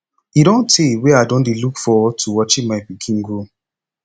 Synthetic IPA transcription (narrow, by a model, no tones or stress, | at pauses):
iɾõntʰewɛadõndelukfɔɔtʰuwɔt͡ʃĩmaɪpikʰĩnɡo